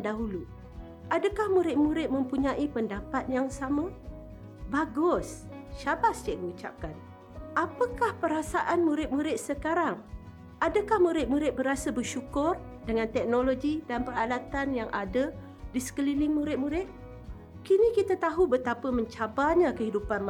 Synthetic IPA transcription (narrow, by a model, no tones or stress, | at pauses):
ndaɦulu | ʔadəkahmuɾɪt̪̚muɾɪt̪̚mə̃mpuɲaʔipəndapat̪̚jaŋsama | baɡʊsʃabasd͡ʒaʔdiut͡ʃa̰p̚kan | ʔapəkahpəɾasaʔanmuɾɪt̪̚muɾɪt̪̚səkaɾaŋ | ʔadəkahmuɾɪt̪̚muɾɪt̪̚bəɾasəbəʃukʊr | dəŋant̪ɛk̚noloɡidanpəralat̪anjaŋʔadə | disə̥kəlilɪŋmuɾɪt̪̚muɾɪt̪̚ | kinikit̪at̪aɦubət̪apəməɲt͡ʃabaɲakəɦidupan